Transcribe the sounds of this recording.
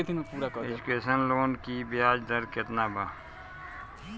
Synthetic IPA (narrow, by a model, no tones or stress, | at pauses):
t̪ʰinpuɾakɔed͡ʒʊkeːʃənloːnkibɪaːd͡ʒd̪əɾkɪt̪nabʱaː